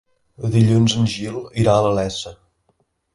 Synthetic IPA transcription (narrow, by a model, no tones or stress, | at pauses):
əðiʎunzənʲʒilˠiɾaələlɛsə